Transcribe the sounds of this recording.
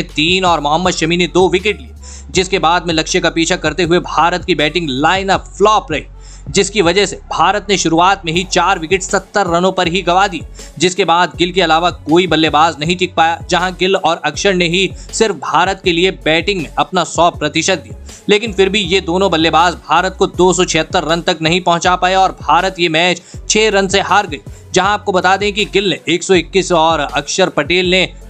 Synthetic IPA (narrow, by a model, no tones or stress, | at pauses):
t̪iːnɔːɾmʊɦəmːəd̪ʃɐmined̪oːʋɪkɪʈlie | d͡ʒɪskebaːd̪̚mẽlɐkʃekapiːt͡ʃʰakɐɾt̪eɦʊebʱaːɾət̪̚kibɛːʈɪ̃ŋɡlaːɪnaflɔːpɾɐɦi | d͡ʒɪskiʋɐd͡ʒəɦsebʱaːɾət̪neʃʊɾuaːt̪̚mẽɦit͡ʃaːɾʋɪkɪʈsɐt̪ːəɾːɐnõpɐɾɦiɡɐʋaːd̪ia | d͡ʒɪskebaːd̪ɡɪlkeɐlaːʋakoːibɐlːebaːznɐɦĩʈɪk̚paːjad͡ʒɐɦãɡɪlɔːɾɐkʃəɾneɦisɪɾfbʱaːɾət̪̚keliebɛːʈɪ̃ŋɡmẽʔɐpnasɔːpɾɐt̪ɪʃət̪̚d̪ijaː | leːkɪnfɪɾbʱijed̪oːnõbɐlːebaːzbʱaːɾət̪̚kod̪oːsɔt͡ʃʰɪɦət̪ːəɾːɐnt̪ɐknɐɦĩpɐ̃ɦʊ̃t͡ʃapaːjeɔːɾbʱaːɾət̪jemɛːt͡ʃt͡ʃʰeːɾɐ̃nseɦaːɾɡɐiːd͡ʒɐɦãaːp̚kobɐt̪ad̪ẽk̬iɡɪlneʔeːksɔɪkːiːsɔːɾɐkʃəɾpɐʈeːlne